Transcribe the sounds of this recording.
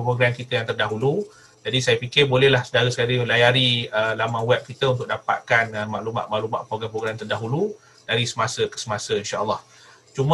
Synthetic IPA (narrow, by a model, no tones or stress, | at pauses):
pɾoɡɾamkit̪əjaŋt̪ərdaɦulu | d͡ʒadisajapikɪrbolɛhlahsədaɾəsə̥kaɾilajaɾiəlamãwɛp̚kit̪əunt̪̬ʊk̚dapa̰t̪̚kanəmãʔluma̰ʔ̪̚ma̰ʔlumaʔpɾoɡɾampɾoɡɾamt̪ərdaɦulu | daɾisəmasəkə̥səmasəinʃaʔəlːɑh | t͡ʃumə